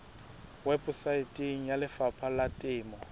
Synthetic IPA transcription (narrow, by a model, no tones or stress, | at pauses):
wɛbʊsaitʼeŋ̩jalɪfapʰalatʼɪːmɔ